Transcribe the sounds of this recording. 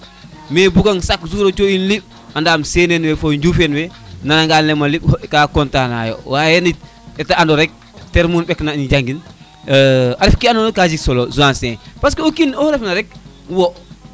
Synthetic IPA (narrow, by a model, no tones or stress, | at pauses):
mebuɡaŋsakzuːɾot͡ʃoinliɓ | andamsenenwɛfoɲd͡ʒufenwɛnanaŋɡanlɛmaliɓkakɔntana̰jo̰wajeni | ɛtaandɔɾɛk̚ | teɾmuːnɓɛknanid͡ʒaŋɡin | aɾɛfkianɔnokːad͡ʒiksɔlozuansepaskeokinɔhɾɛfnaɾɛk̚ | wɔ